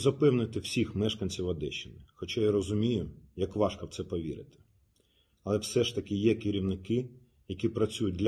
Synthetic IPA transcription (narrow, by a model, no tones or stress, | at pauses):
zɐpɛwnɪt̪ɪwsʲixmɛʃkɐnʲt͡sʲiwɐd̪ɛʃːɪnɪxɔt͡ʃɑjɐɾɔzʊmʲijʊjɐkʋɑʃkɐwt̪ɛpɔʋʲḭɾɪ̰t̪ɪ̥ | ɐlˠɛwsɛʃt̪ɐkɪjɛkɪɾʲiwnɪkɪ | jɐkʲipɾɐt͡sʲujʊt̚ʲd̪lʲ